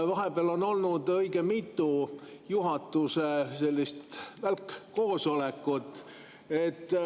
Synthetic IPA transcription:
vɑɦe̞b̥eɑlo̞no̞lnud̪̥ɤjɡ̥e̞mit̪ˑːujuɦɑt̪ːˑusese̞lʲːist̪vælkːo̞ːso̞le̞kːˑut̪ːˑ | e̞t̪ː

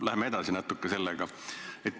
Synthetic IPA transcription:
læɦemee̞d̪̥ɑsinæt̪ːˑukːese̞lːɛɡ̥ɑ | et̪ː

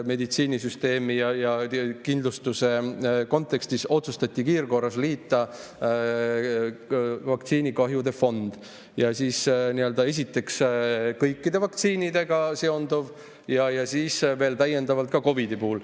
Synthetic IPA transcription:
me̞d̪it̪siːnisyst̪e̞ːmijɑjɑkind̪lust̪use̞ko̞nt̪ːˑe̞kst̪iso̞t̪sust̪ɑt̪ʲːikiːrko̞rːɑsliːt̪ˑːɑ | vɑkt̪siːnikɑɦjud̪e̞fo̞nd̪̥ | jɑsiːsniøld̪ɑe̞s̬ʲit̪ːˑe̞kskɤjkːid̪e̞vɑk̚t̪siːnid̪e̞ɡ̥ɑse̞o̞nd̪̥uv | jɑjɑsiːsve̞ːlt̪æjːe̞nd̪̥ɑvɑlt̪̚kɑko̞vid̪ipuːul

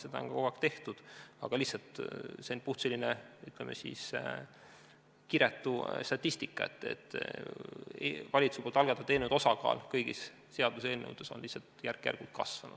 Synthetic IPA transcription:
sed̪ɑo̰nkɑkoɡɑkt̪e̞ht̪ud̪̥ɑ̰ɡ̥ɑlihsɑlt̪senpuht̪selʲineyt̪lemʔḛsḭs | kiɾet̪ːust̪ɑt̪ʲːist̪ikːˑɑḛt̪ːˑe̞̰t̪ː | ḛvɑlʲit̪supult̪ɑlɡ̥ɑt̪ːɑt̪eːnuwd̪̥o̞sɑkɑ̰ːlkɤjɡ̥ḭsː | eɑd̪useːlnːḛwd̪̥esonlihsːɑlt̪jærkːˑjæ̰rɡ̥ult̪̚kɑsvɑnṵd̥

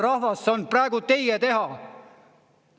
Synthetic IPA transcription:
rɑhvɑsonpræeɡut̪e̞jjet̪e̞ɦɑ

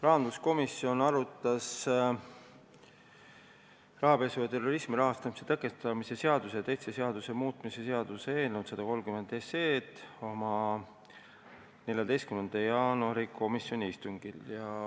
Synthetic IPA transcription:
rɑɦɑnd̪lusko̞misio̞nɑɾut̪ːˑɑs | rɑɦɑbe̞suvɑt̪e̞ro̞ɾismiɾɑɦɑst̪ɑmise̞t̪ækːˑest̪ɑmise̞se̞ɑd̪useɑt̪ejt̪seseɑd̪̥usemuːt̪ˑmise̞se̞ɑd̪̥use̞ːnenut̪sɑd̪̥ɑko̞lmkyme̞nd̪e̞seːt̪o̞mɑ | ne̞lʲjɑd̪e̞jst̪kymend̪̥ɑjɑːnuɑɾikʰo̞misjo̞nʲiist̪uŋɡ̥iljɑ

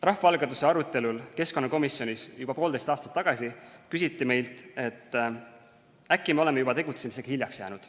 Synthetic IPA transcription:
rɑhfɑɑlɡɑt̪u̥se̞ɑɾut̪ːˑe̞lulke̞sko̞nːɑko̞misjo̞nisjub̥ɑpo̞ːld̪e̞st̪ɑːst̪ɑ̥t̪ːɑɡ̥ɑsikysit̪ːˑime̞jlt̪ˑe̞t̪ːˑ | ækːˑimeo̞le̞me̞jubɑt̪e̞ɡut̪semise̞ɡ̥ɑhilʲjɑksjæ̰ːnud̪̥

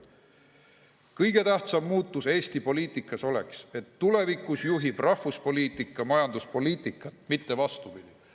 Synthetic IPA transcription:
kɤjɡ̥e̞t̪æht̪sɑmːuːt̪ːˑuse̞ːst̪ipo̞liːt̪ˑikːˑɑso̞le̞̰kse̞t̪ːule̞vikːˑusjuɦib̥rɑhvuspo̞liːt̪ˑikːˑɑmɑjɑnd̪uspo̞liːt̪ˑikːˑɑt̪ːˑmit̪ːe̞vɑst̪upid̪̥i

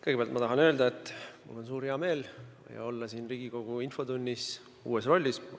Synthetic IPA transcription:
kɤjɡeeɑlt̪mɑt̪ɑɦɑnø̞ːld̪ɑet̪ːˑmṵlːo̞ns̬uːɾheɑme̞ːl | jɑ̰o̞lːɑsiːnriːɡ̥iko̞ɡ̥uinfo̞d̪unʲːis | ṵːesro̞lʲːis

